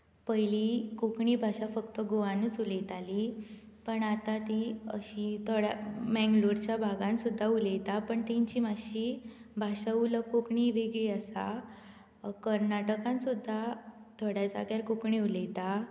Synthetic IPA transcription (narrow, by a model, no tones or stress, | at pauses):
pəjlikokɳibʱaɕafəkt̪əɡoʋanuːt͡sulejt̪ali | pəɳat̪at̪iə̰ɕit̪ʰoɽa̰mɛ̃ŋɡluɾt͡ɕjabʱaɡãnsud̪ʱːaulejt̪apəɳt̪ĩɲt͡ɕimaɕi | bʱaɕauləkokɳiʋeɡɭiːasa̰ | kəɾnaʈəkãnsud̪ʱːat̪ʰoɽjad͡za̰ɡjaɾkukɳiulejt̪a